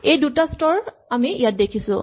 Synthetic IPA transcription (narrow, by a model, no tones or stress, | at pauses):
ejdutastɔɹ | amiijat̚dekʰisʊ̰̃